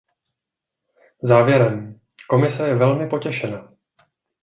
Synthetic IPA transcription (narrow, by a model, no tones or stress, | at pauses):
zaːvjɛɾɛm | ko̞mɪsɛjɛvɛlmɪpo̞cɛʃɛnaː